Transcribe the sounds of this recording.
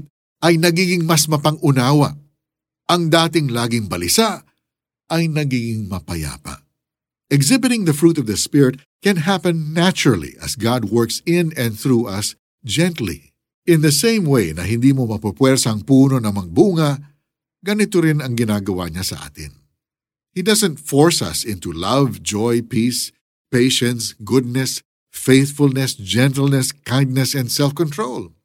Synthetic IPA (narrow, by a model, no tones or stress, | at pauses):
ʔɐjnɐɡiːɡɪŋmɐsmɐpɐŋʔʊnaːwɐʔ | ʔɐŋd̪aːt̪ɪŋlaːɡɪŋbɐlɪsaʔ | ʔɐjnɐɡiːɡɪŋmɐpɐja̰ːpɐ̰ | ɛɡzɪbɪt̪ɪ̃ŋðɐfɹuːt̪ɔvðɐspɪɹɪt̪̚ | kɛ̃nɦapɛ̃nːat͡ʃʊɹɐlˠḭʔɐ̰sɡɑd̪̚wɔɹksɪ̃nɛ̃nθɹuːʔɐs | d͡ʒɛ̃nt̪lḭ | ɪ̃nðɐsẽɪ̃mwejnɐ̰ɦɪ̃nd̪iːmomɐpɐpwɛɹsɐŋpuːnonɐŋmɐɡ̚buːŋɐ | ɡɐnɪt̪oɾɪnɐŋɡɪnaːɡɐwa̰ɲasɐ̰ʔa̰ːt̪ɪ̰n | hid̪ɐsɛ̃nt̪fɔɹsɐ̰sɪ̃nt̪ulɐvd͡ʒɔjpis | peɪʃɛ̃nsɡʊd̪̚nɛs | feɪθfʊlnɛsd͡ʒɛ̃nt̪əlˠnɛskãjnd̪̚nɛsɛ̃nd̪sɛlfkɔ̃nt̪ɹol